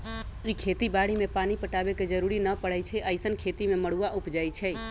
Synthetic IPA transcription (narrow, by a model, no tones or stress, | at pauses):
ikʰeːt̪ibaɽimẽpaːnipəʈaːbeked͡ʒəɾuɾinəpəɽət͡ʃʰɛʔəɪsənkʰet̪imẽməɽ̤uaʔʊpd͡ʒaːjt͡ʃʰɛ